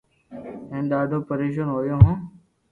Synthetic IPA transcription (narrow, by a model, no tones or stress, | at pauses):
ẽːnɗ̪aːɖʱoːpəɾeːʃ̬ənɦoːjoːɦõː